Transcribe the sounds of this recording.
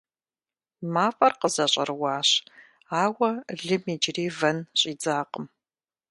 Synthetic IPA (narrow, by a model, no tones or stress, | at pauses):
maːfʼɐrqəzɐɕʼɐ̰rwaːɕ | aːwɐɮɨmid͡ʒriːvɐnɕʼiːd͡zaːqəm